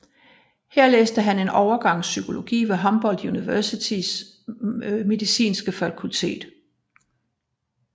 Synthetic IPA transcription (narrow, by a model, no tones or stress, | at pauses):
heɐ̰leːsd̥əɦæne̝nɒʊɐɡ̥ɑ̈ŋ̰sykʰo̝lo̝ɡ̥ḭːʋe̝ɦɒ̽mb̥ɒ̽l̰d̥juniʋæɐsit͡sʰis | me̝ðˠisḭːnsɡ̥əfækʰult͡sʰe̝̰ːd̥